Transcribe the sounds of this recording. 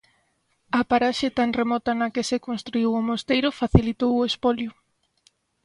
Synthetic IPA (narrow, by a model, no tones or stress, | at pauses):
ɐpaɾaʃet̪aŋremɔt̪ɐnɐkesekonst̪ɾuiwomost̪ejɾʊfaθilit̪owʊespɔljʊ